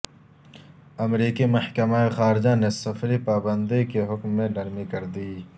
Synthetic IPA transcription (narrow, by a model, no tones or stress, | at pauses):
ɐmɾiːkimɐhkɐmaexaːɾɪd͡ʒanesɐfɾipaːbɐ̃nd̪ikeɦʊkmːẽlɐɾmikɐɾd̪iː